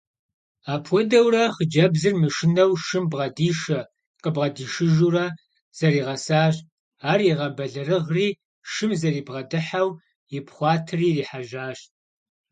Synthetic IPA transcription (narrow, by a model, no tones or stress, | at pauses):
aːpʰʷɔdɐwrɐχəd͡ʒɐbzɨrmɨʃɪnɐwʃɨmbʁɐdiːʃɐ | qʼəbʁɐdiːʃɨʒuːrɐ | z̥ɐɾiːʁɐsaːɕ | aːriʁɐbɐɮɐrɨʁriː | ʃɨmzɐriːbʁɐdɨħaw | ɪpχʷɑːtʰɨriːriːħaʒaːɕt